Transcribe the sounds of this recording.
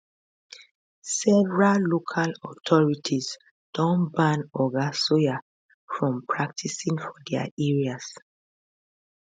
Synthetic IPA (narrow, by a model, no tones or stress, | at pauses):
sɛvɹalokʰalɔtʰɔɹitʰis | d̥ɔ̃nbãnɔɡasoja | fɹɔ̃mpʰɹak̚tʰisĩŋfɔdɛa̰ɛɹias